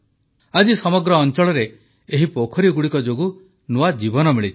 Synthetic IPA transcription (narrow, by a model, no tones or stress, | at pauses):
ad͡ʒisɔmɔɡɾɔːnt͡ʃɔɭɔɾeː | ɦipokʰɔɾiɡuɽikɔd͡ʒoɡu | nuwad͡ʒibɔnɔmiɭit̪ʰ